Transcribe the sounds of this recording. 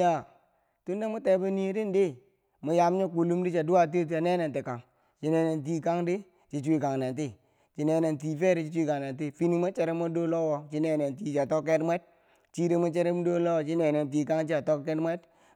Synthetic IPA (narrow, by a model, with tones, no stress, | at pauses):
ja˨ | tu˦nde˦mu˦te˨be˦ni˦di˦ndi˦ | mu˨ja˨m˦ɲo˦ku˨lu˦mdi˦t͡ʃa˨du˦a˦t̬e˦ta˨ne˦ne˨nti˨ka˨ŋ | t͡ʃi˦ne˨ne˨nt̬i˦ka˦ŋdi˦ | t͡ʃi˨t͡ʃʷi˦˨ka˨ŋne˨nt̬i˦ | t͡ʃi˨ne˨ne˨nt̬i˨fe˦ɾi˨˦t͡ʃi˦t͡ʃu˦i˦ka˨ŋne˨nt̬i˦fi˦ni˦ma˦t͡ʃe˦ɾe˦mo˦do˦lo˦wɔ˨t͡ʃi˦ne˨ne˨nt̬i˨t͡ʃa˨to˦kːe˦tmʷwe˦d̚ | t͡ʃi˦de˦ma˦t͡ʃe˦ɾe˦m˦do˦lo˦wɔ˨t͡ʃi˦ne˨ne˨nt̬i˨ka˦ŋt͡ʃi˦a˨to˦kkːe˦tmʷe˦d